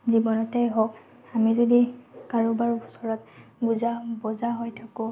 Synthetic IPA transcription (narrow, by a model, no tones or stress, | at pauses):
zibɔnɔtɛjɦɔk | amizodikaɹobaɹusɔɹɔt̚buzabɔzaɦojtʰakʊ̃